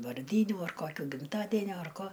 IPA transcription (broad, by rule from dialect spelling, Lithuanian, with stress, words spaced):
ʋɐrʲˈdʲiːnʲuː ɐr ˈkoːkʲuː ɡʲɪmˈtɑːdʲɛnʲoː ɐr ˈkoː